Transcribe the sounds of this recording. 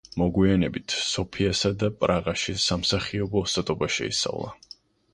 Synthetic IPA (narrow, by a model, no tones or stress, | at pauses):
mɔɡwianɛbit̪ʰsɔpʰiasad̪apʼɾaʁaʃisamsaχiɔbɔsat̪ʼɔbaʃɛ̰ḭsa̰vlˠa̰